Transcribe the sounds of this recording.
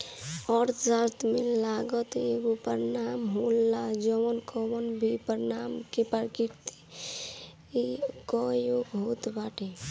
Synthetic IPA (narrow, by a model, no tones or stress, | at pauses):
ɔɾd͡ʒaɾt̪melaɡət̪eɡopəɾnamɦolːad͡ʒəwənkɔwənbʱipəɾnamkepəɾkiɾt̪i̥ | kɔjoɡɦot̪baʈe